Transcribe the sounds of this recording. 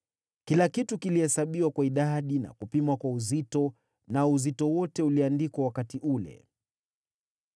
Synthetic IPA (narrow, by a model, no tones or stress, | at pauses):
kilakitukilihɛsaɓiwakwaiɗaɗina̰kupimwakwauzitɔ | nauzitɔwɔtɛuliandikwawakatiʔulɛ̰